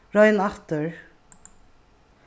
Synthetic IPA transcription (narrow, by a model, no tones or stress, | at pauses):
ɹɑɪnɑft̪əɹ